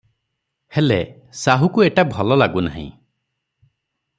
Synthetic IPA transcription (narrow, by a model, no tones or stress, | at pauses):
hele | saɦukueʈabʱɔlɔlaɡuna̰ɦḭ̃